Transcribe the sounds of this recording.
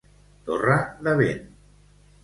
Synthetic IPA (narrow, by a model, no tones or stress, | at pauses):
t̪oraðaβen